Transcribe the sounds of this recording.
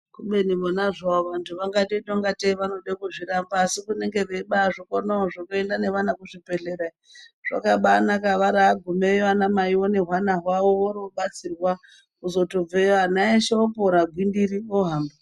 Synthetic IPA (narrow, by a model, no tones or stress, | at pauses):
kuɓenimonaʐaoʋantʰuʋaŋɡatetoŋɡateʋano̞ɗekuʐiɾambaːsikune̞ŋɡe̞ʋeɓaʐokonooʐokoendane̞ʋanakuʐipeɬeɾa | ʐ̥a̰kaɓanakaʋaɾaːɡʱumejoanamaiwoneɦwanaɦwawooɾoɓat͡sirwa | uzo̞tob͡veanaeʃeopoɾaɡʱwindiɾioɦaːmba